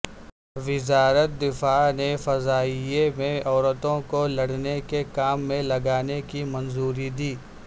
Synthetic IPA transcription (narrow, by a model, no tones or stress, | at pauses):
ʋɪzaːɾət̪̚d̪ɪfaːnefɐzaːijemẽɔːɾət̪õkolɐɽnekekaːmːẽlɐɡaːnekimɐnzuːɾid̪iː